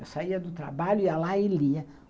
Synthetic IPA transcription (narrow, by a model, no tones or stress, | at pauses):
sajad̪ut̪ɾa̰balʲujalailːiɛ